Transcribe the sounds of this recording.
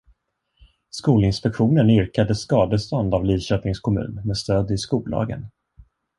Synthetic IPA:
skuːlɪnspɛkɧuːnənʏɾkad̪əskɑːd̪əst̪ɔnd̪avliːɕœːp̪nɪŋskʰɔmʉ̰ːnmɛːst̪øːd̪ɪskuːlɑ̰ːɡə̰n

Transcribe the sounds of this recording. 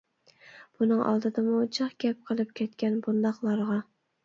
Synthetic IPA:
b̥unɨŋʔɑ̰lˠd̪ɨd̪ɨmut͡ʃʰɑqɡʲɛp̚qʰəlˠɨp̚kʲʰɛt̪̚kʲɛnbund̪ɑqlˠɑɾʁɑ

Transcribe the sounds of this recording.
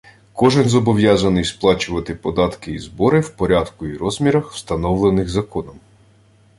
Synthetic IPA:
kɔʒɪnzɔbɔʋjazɐnɪjsplˠɑt͡ʃʊʋɐt̪ɪpɔd̪ɑt̪kɪizbɔɾɪwpɔɾʲad̪kʊiɾɔzmʲiɾɐxw̥st̪ɐnɔwlˠenɪxzɐkɔnɔm

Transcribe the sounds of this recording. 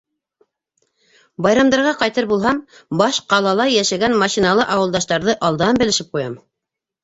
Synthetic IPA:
bɑjɾɑmd̪ɑɾʁɑqɑjt̪ɤɾbulˠɦɑmbɑʃqɑlˠɑlˠɑjæʃæɡænmɑɕinɑlˠɤʔɑwɤ̆lˠd̪ɑʃt̪ɑɾðɤʔɑlˠd̪ɑnbɘ̆lɘ̆ʃɘp̚qujɑm

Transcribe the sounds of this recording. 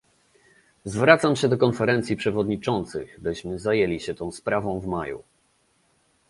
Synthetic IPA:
zvɾat̪samɕɛd̪ɔkɔnfɛɾɛnt̪sʲjipʂɛvɔd̪ɲit͡ʂɔnt̪sɘɣbɘɕmɘzajelʲiɕɛt̪ɔ̃w̃spɾavɔ̃w̃vmajṵ

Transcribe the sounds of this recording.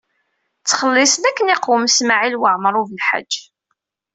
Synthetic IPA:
t͡sːχəlːɪsnækːənɪqəmsmaʕilwəʕmɾˤuvəlħa̰d͡ʒː

